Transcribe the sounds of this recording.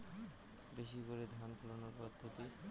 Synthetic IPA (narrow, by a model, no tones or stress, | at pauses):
beʃikoɾed̪ʱanpulonoɾpɔd̪ʱːot̪i